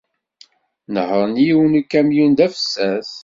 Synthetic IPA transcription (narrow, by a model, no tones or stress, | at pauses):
nəhəɾˤnijiwnukːæmjund̪æfə̥sːæs